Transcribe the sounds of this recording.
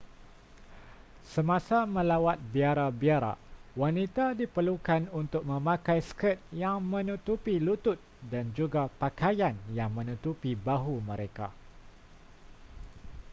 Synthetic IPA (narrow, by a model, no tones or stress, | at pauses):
səmãsamə̃lawat̪̚biaɾabiaɾa̰wanit̪adipərlukanunt̪ʊk̚mə̃mãkajskət̪̚jaŋmə̃nut̪upilut̪ʊt̪̚dand͡ʒuɡapakajanjaŋmə̃nut̪upibaɦumə̃ɾeka̰